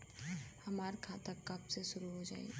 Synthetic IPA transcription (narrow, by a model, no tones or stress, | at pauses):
hɐmaːɾkʰaːt̪akɐpseʃʊɾuɦod͡ʒa̰ːḭ